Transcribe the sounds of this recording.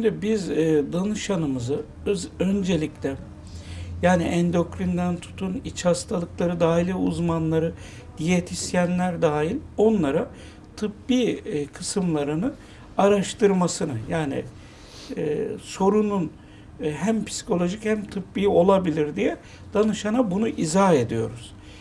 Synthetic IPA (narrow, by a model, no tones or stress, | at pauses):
ʃimd̪ibizːd̪anɯʃanɯmɯzɯ | ø̞nd͡ʒe̞lʲiclʲɛ | jaːniʔɛnd̪o̞kɾind̪ænt̪ʰu̥t̪ʰunit͡ʃhast̪ʰalˠɯklˠaɾɯd̪aːɦilʲiṵzmanlˠaɾɯ | d̪̥ijet̪ʰisjænlʲæɾd̪aːilʲo̞nlˠaɾa | t̪ʰɯpbiːkʰɯsɯmlˠaɾɯnɯ | aɾaʃt̪ʰɯɾmasɯnɯjaːnḭː | so̞ɾunun | ɦæmpʰi̥si̥kʰo̞lʲˠo̞ʒichæmt̪ʰɯpbiːo̞lˠabilʲiɾd̪ijɛ | d̪̥anɯʃanabunuʔizae̞d̪ijo̞̰ɾuz̥